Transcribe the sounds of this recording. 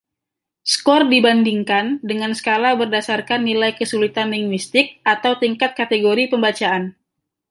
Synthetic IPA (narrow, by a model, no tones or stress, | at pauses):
skɔrdibandiŋkandəŋansə̥kalabərdasarkanːilajkəsulit̪anliŋwist̪ɪk̚ʔat̪awt̪iŋkat̪̚kat̪eɡoɾipəmbat͡ʃaʔan